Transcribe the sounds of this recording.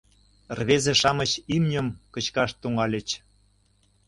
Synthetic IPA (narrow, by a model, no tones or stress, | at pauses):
rβezeʃɑmə̆t͡ɕimnʲə̆mkə̆t͡ɕkɑʃt̪uŋɑlʲə̆t͡ɕ